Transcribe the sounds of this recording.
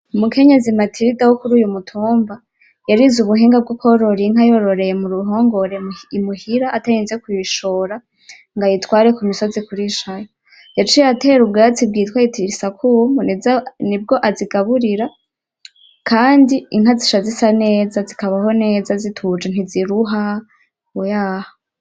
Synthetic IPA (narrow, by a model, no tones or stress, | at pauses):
umuke̞ɲe̞zimatʰiɾidawokuɾuːjumutʰuːmba | jaɾizuβuɦeːŋɡab̚ɡokʰoɾo̞ɾiŋhajo̞ɾo̞ɾe̞jemuɾuɦoŋɡoɾeimuhiɾaʔːtajiːnzekwiʃo̞ːɾa | ŋɡajitwaːɾekumiso̞zikuɾiʃajo | jat͡ʃijateɾubɡajat͡sib̚ɡiːtwajitʰiisakuːmbonnib̚ɡo̞ʔaziɡaβuɾiɾa | kʰaːndiiŋhaziʃazisane̞ːzazikaβaho̞ne̞ːzazitʰud͡ʒan̥iziɾuɦa | kujaːho